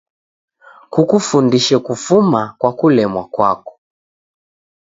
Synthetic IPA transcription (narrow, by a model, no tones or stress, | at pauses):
kukufundiʃɛkufumakwakulɛmwakwa̰kɔ̥